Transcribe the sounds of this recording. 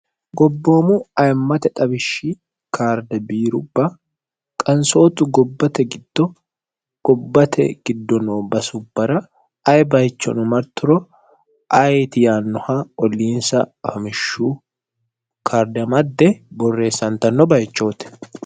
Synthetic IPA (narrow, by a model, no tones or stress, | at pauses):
ɡɔbːo̞ːmʊɐjmːɐt̪ɛt̪ʼɐbɪʃːɪ | kʰaːɾd̪ɛbiːɾʊbːɐ | kʼɐnso̞ːt̪ʊɡɔbːɐt̪ɛɡɪd̪̥ːɔ | ɡ̥ɔbːɐt̪ʰɛ̰ɡ̥ɪd̪ːɔnoːbɐsʊbːɐɾɐ | ɐjbɐjt͡ʃːɔ̰nʊmɐɾt̪ːʊɾɔ | ɐjt̪ɪjaːnːʊhaɔlːiːnsɐ̰fɐmɪʃːu | kʰaːɾd̪ɐmɐd̪ːɛbɔrːe̞ːsːɐnt̪ɐnːɔbɐjt͡ʃːo̞ːt̪ɛ̥